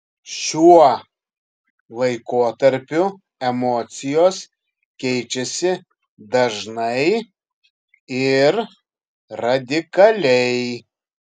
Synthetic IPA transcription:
ʃʲuɔ | lˠɐɪkoːt̪ɐɾʲpʲʊ | ɛmɔːt̪sʲɪjoːs | kʲɛɪt͡ʃʲɛsʲɪ | d̪ɐʒnɐɪ | ɪɾ | ɾɐd̪ʲɪkɐlʲɛɪ

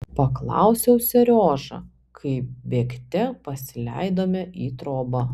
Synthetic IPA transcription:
pɐklˠɑ̰ʊsʲɛʊsʲɛɾʲoːʒɐ̰ | kʰɐɪpbʲeːkt̪ʲɛpɐsʲɪlʲɛ̰ɪd̪oːmʲɛʔiːt̪ɾoːbɐ

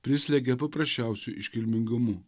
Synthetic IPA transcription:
pʲɾʲɪsʲlʲɛɡʲɛpɐpɾɐsʲt͡ʃʲæˑʊsʲuʔɪʃʲkʲɪlʲmʲɪŋɡʊmʊ

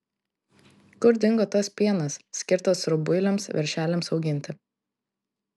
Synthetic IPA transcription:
kʊɾd̪ʲɪŋɡot̪oːspʲiɛnɐsːʲkʲɪɾt̪oːsɾʊbʊɪlʲɛmsʋʲɛ̰ɾʲʃʲæːlʲɛmsɒʊɡʲɪnʲt̪ʲɪ

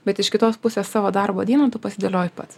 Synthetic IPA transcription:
bʲɛt̪ɪʃkʲɪt̪oːspʊsʲeːssɑːʋoːd̪ɐrboːd̪ʲiɛnoːt̪ʊpɐsʲɪd̪ɐlʲoːjɪpɐt̪s

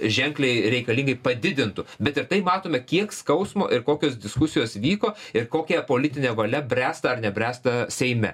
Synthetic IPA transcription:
ʒʲɛŋklʲɛɪɾʲɛɪkɐlʲiŋɡɐɪpɐd̪ʲɪd̪ʲɪnt̪ʊbʲɛt̪ɪɾt̪ɐɪmɑːt̪oːmʲɛkʲiɛkskɐʊsmo̰ːʔɪɾkoːkʲoːsd̪ʲɪskʊsʲɪjoːsʋʲiːkoːɪɾkoːkʲɛpoːlʲɪt̪ʲɪnʲɛːʋɐlʲɛbʲɾʲæːst̪ɐɐrnʲɛbʲɾʲæːst̪ɐsʲɛɪmʲɛ̰

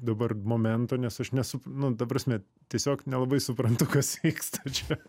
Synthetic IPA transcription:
d̪ɐbɐrmoːmʲɛnt̪oːnʲɛsɐʃnʲɛsʊpnʊd̪ɐpɾɐsʲmʲɛ | t̪ʲiɛsʲoːknʲɛlˠɐbɐɪsʊpɾɐnt̪ʊkɐsʋʲiːkst̪ʰɐt͡ʃʲɛ

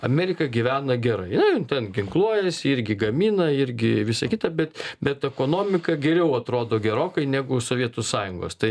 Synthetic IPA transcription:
ɐmʲɛːɾʲɪkɐɡʲiʋʲæːnɐɡʲɛɾɐ̰ɪnɐɪnt̪ʲɛnɡʲɪŋklˠuɔjɛsʲɪɾʲɡʲɪɡɐmʲiːnɐɪɾʲɡʲɪʋʲɪsɐkʲɪt̪ɐbʲɛt̪bʲɛt̪ɛkoːnoːmʲɪkɐɡʲɛɾʲɛʊɐt̪ɾoːd̪oːɡʲɛɾoːkɐɪnʲæːɡʊsoːʋʲiɛt̪ʊsɑːjʊŋɡo̰ːst̪ɐɪ

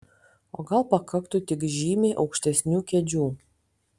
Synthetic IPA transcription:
oːɡɐlˠpɐkɐkt̪ʊt̪ʲɪkʒʲiːmʲeʔɒʊkʃʲt̪ʲɛsʲnʲuːkʲɛd͡ʒʲuː

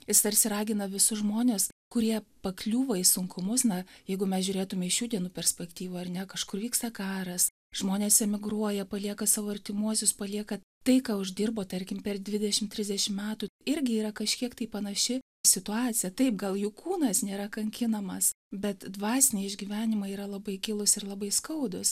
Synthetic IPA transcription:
jɪst̪ɐrʲsʲɪɾɑːɡʲɪnɐʋʲɪsʊʒmoːnʲeːskʊɾʲiɛpɐklʲuːʋɐɪsʊŋkʰʊmʊsnɐjɛɪɡʊmʲɛsʒʲʊɾʲeːt̪ʊmʲɛɪʃʲuːdʲiɛnuːpʲɛɾʲsʲpʲɛkt̪ʲiːʋoːɐrnʲɛkɐʃkʊrʋʲiːkst̪ɐkɑːɾɐs | ʒ̥moːnʲeːsɛmʲɪɡɾuɔjɛpɐlʲiɛkɐsɑːʋoːɐrʲt̪ʲɪmuɔsʲʊspɐlʲiɛkɐ | t̪ɐɪkɑːʊʒd̪ʲɪrboːt̪ɐɾʲkʲɪmpʲɛrd̪ʲʋʲɪd̪ʲɛʃʲɪmt̪ʲɾʲɪzʲdʲɛʃʲɪmmʲæːt̪uɪɾʲɡʲɪiːɾɐkɐʃʲkʲiɛkt̪ɐɪpɐnɐʃʲɪ | sʲɪt̪ʊɑːt͡sʲɪjɛt̪ɐɪp̚ɡɐlˠjʊkʰuːnɐsnʲeːɾɐkɐŋʲkʲɪnɐmɐs | bʲɛt̪d̪ʋɑːsʲɪnʲeːɪʒʲɡʲiʋʲæːnʲɪmɐiːɾɐlˠɐbɐɪkʲɪlˠʊsɪrlˠɐbɐɪskɐʊd̪ʊs

